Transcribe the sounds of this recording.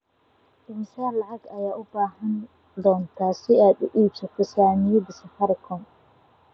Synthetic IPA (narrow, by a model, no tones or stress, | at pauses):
d̥ɪnsaːnlɑʕɑɡɐjaːʔʊbaːɦɐn | d̪ɔːnt̪ʰaːsɪaːd̪ʊʔiːt͡ʃɔkʊsaːmɪjɐd̪ɪsɐfɑɾɪkʰɔn